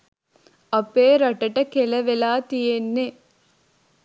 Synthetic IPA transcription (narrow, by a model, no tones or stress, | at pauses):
ɐpːeːɾɐʈːɐʈːɐkɛlɐʋɛlaːt̪ijenːe